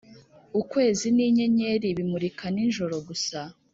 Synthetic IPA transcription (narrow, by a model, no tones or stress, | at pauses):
ukwe̞ːziniːɲe̞ɲe̞ɾiβimuɾikaninʒo̞ɾo̞ɡusa